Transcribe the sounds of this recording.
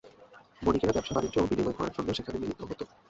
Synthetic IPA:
bonikeɾabɛpʃabaɾid͡ʑobinimojkʰɔɾa̰ɾʃɔnd̪oʃekʰaneminit̪ːoɦot̪o

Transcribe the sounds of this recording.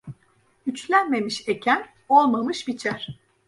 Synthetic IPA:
yt͡ʃlʲænme̞miʃe̞cʰæn | o̞lˠmamɯʃbit͡ʃʰæɾ̥

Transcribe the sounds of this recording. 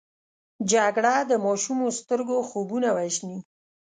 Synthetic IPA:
d͡ʒaɡɽad̪əmɑʃumost̪əɾɡoxobunawaʒni

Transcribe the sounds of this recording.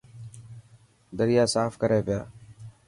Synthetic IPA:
d̪əɾɪjaːsaːfkəɾeːʋɪja̰ː

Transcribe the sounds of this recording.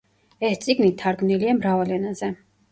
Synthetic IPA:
ɛst̪sʼiɡnit̪ʰːaɾɡmniliamɾavalɛnazɛ

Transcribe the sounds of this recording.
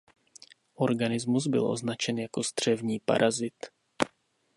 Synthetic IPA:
ʔo̞ɾɡanɪzmuzbɪ̰lʔo̞̰znat͡ʃɛnjako̞zd̪r̝̥ɛvɲiːpa̰ɾʔazɪt̪

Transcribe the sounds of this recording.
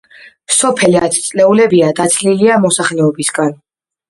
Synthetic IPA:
sɔpʰɛlat̪ʰt̪sʼlɛulɛbiad̪at̪sʰliliamɔsaχlɛɔbisɡan

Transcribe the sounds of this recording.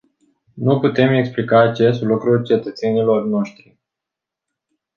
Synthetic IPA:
nuput̪e̞me̞ksplikaːt͡ʃe̞st̪lukɾult͡ʃe̞t̪ət̪se̞nilo̞rno̞ʃt̪ɾi

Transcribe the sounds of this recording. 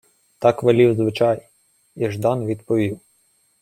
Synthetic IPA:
t̪ɑkʋɐlʲiwzʋɪt͡ʃɑj | iʒd̪ɑnʋʲid̪pɔʋʲiw

